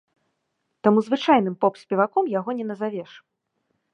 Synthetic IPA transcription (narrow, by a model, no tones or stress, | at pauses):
t̪amuzvɨt͡ʂajnɨmpɔpsʲpʲɛvakɔmjaɣɔnʲɛnɐzavʲɛʂ